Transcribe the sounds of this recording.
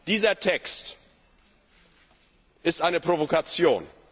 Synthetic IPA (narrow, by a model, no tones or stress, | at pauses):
d̥iːzɐtʰɛkst | ʔɪstʔaɪnəpʁ̥ovokat͡sjo̰ːn